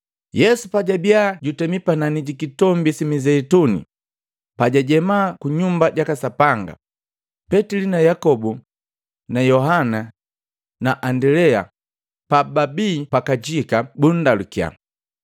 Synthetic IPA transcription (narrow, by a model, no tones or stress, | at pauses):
jɛsupaɟabiaɟutɛmipananiɟikitɔmbisimizɛitunḭ | paɟaɟɛmaːkuɲumbaɟakasapaŋɡa̰ | pɛtilinajakɔbu | najɔɦana | naʔandɛlɛa̰ | pababiːpakad͡ʒikabun̩dalukia̰